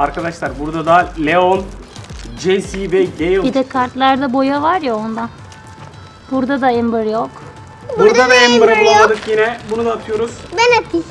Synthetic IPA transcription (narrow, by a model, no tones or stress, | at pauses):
aɾkʰad̪aʃlˠaɾbuɾd̪ad̪alʲeon | d͡ʒesivɛɟejobid̪ɛkʰaɾt̪lˠaɾd̪abo̞javaɾjaond̪an | b̥uɾd̪ad̪aɛmbɯɾjok | buɾd̪ad̪aɛmbɯɾabulˠalˠad̪ɯkjinɛbunud̪aːt̪ʰɯjo̞ɾuz̥bɛnapʰi